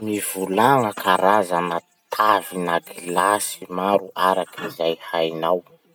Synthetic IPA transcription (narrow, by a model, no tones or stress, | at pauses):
miv̥ulaŋəkʰaɾazanə | t̪ʰavinaɡilasimaɾuʔaɾakʰizajhajnaw